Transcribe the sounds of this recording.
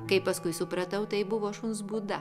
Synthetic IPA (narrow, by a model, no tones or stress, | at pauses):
kɐɪpɐskʊɪsʊpɾɐt̪ɐʊt̪ɐɪbʊʋoːʃʊnsbuːd̪ɐ